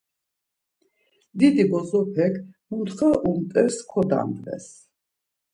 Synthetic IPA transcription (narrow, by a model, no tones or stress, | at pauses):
d̪id̪ibɔzɔpʰɛkʰmut̪χaʔumt̪ʼɛɾskʰɔd̪a̰nd̪vɛ̰s